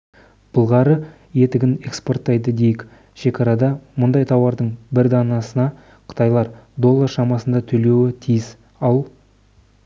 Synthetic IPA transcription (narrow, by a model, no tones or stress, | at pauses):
b̥əlˠʁɑɾə | je̞t̪ɪɡʲɪne̞kspo̞rt̪ːɑjd̪əd̪e̞jɪkʲ | ʃe̞kʲʰɑɾɑd̪ɑmʊnd̪ɑjt̪ʰɑwɑɾd̪əɴbɪɾd̪ɑnɑsənɑ | qʰə̥t̪ɑjlˠɑɾd̪o̞lˠːɑrʃɑmɑsənd̪ɑt̪ʰɵle̞wɪt̪ʰijɪs | ɑlˠ